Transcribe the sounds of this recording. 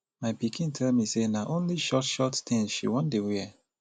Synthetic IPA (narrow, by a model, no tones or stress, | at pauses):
maɪpikʰĩntʰɛlmisenaʔõnliʃɔtʃɔttĩŋsʃḭwɔ̃ndewɛ